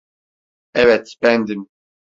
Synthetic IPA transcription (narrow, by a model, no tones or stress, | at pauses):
ɛvɛt̪bɛnd̪im